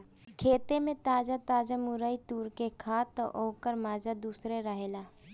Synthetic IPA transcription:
kʰeːt̪emẽt̪aːd͡ʒat̪aːd͡ʒamʊɾəit̪uːɾkekʰaːt̪ːɔʔoːkəɾmaːd͡ʒad̪uːsɾeɾəɦeːlaː

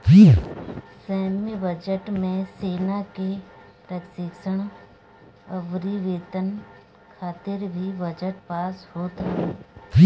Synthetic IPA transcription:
ʋi | sɛːmibəd͡ʒəʈmẽseːnake | ɾəksɪksəɽ̃ | ɐʋɾiʋeːt̪ən | kʰaːt̪ɪɾbʱibəd͡ʒəʈpaːshoːt̪ɐɦeʋi

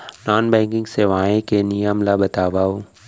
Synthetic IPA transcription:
naːnbɛ̃ːŋkɪ̃ŋɡseːʋaːẽkenɪjəmlabɐt̪aːʋaːo

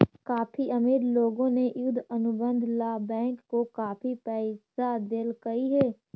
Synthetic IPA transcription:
kaːpʰiʔɐmiːɾloːɡõnejʊd̪ʱənʊbə̃nd̪ʱlaːbɛ̃ːŋkːokaːpʰipɛːɪsad̪elkɐiɦɛː

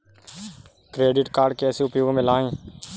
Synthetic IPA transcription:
kɾeːɖɪʈkaːɽkeəsĩːʊpjoːɡmɪlaːẽː

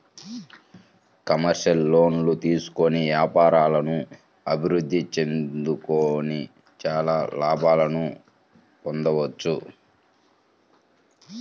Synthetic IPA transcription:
kɐmɐɾʃɐlːo̞ːnlut̪iːsu̥koniʋjaːpaːɾaːlɐnu | ɐbʱiɾud̪ʱːit͡ʃe̞nd̪ukoːni | t͡ʃaːlaːlaːbaːlɐnu | ɔnd̪ɐʋɐt͡ʃːu

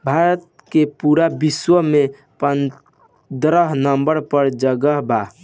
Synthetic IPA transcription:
bʱaɾət̪̚ | kepuɾabiswəme | pən | d̪ɾəɦnəmbəɾpəɾd͡ʒəɡəɦba

